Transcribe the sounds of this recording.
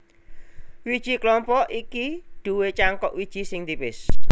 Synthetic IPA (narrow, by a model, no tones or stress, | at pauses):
wid̥ʒ̥i̤klɔmpɔʔikiɖ̪̥ṳwet͡ʃaŋkɔʔwid̥ʒ̥i̤sɪŋd̪ibɪs